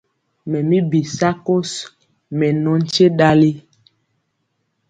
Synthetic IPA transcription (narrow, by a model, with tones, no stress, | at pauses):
mɛ˨mi˦bi˨sa˦ko˦s | mɛ˨nɔ˦n̩˦t͡ʃe˦ɗa˦li˦